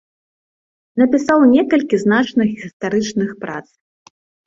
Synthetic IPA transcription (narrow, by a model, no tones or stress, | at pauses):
nɐpʲisawnʲɛkɐlʲkʲiznat͡ʂnɐɣʲist̪aɾɨt͡ʂnɨxpɾa̰t̪s